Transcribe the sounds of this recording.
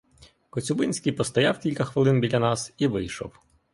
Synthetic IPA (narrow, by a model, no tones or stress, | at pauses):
kɔt͡sʲʊbɪnʲsʲkʲijpɔst̪ɐjɑwkʲilʲkɐxʋɪlˠɪnbʲilʲɐnɑsiʋɪjʃɔ̰w